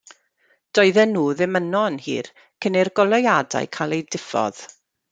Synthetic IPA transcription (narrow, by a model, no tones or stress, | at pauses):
d̥ɔɨðɛnːuːðɪmənɔnhḭːr | kʰənerɡɔlˠɔjada̰jkʰalˠejdɪfɔ̰ð̥